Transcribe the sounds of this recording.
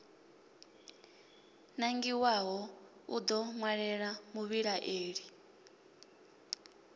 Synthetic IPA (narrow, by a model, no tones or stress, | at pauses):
naŋɡiwaɦɔud̪ɔmwaɺɛɺamuβiɺaʔeːɺi